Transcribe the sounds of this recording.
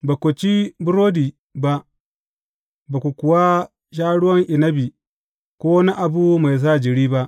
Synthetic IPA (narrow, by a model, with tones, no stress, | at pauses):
ba˨kʷʊ˨t͡ʃi˦bʊ˦ɾoː˦diː˨ | ba˦ʔ | baː˨kʷu˨kʷʊ˨wa˦ | ʃ̬aː˦ɽʊ˦wɐ˦ŋʔɪ˨nɐ˦bi˨ | kʷoː˦na˦ʔa˨bu˦ma˨js̬aː˦˨d͡ʒɪ˨ɽiː˦ba˦ʔ